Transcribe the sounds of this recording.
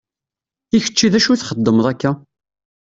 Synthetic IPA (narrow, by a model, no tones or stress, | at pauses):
içə̥t͡ʃːiðæʃuθχəd̪ːəməðˤækːæ